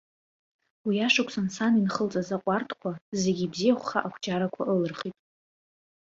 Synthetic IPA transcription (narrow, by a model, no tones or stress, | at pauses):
wiaʂakʷʰʼsansaninχəlt͡sʼazaqʷʼartʰkʷʰaze̞ɡʲibzijaχʷχaʔakʷʰd͡ʒaɾakʷʰaʔɨlɨrχʲitʼ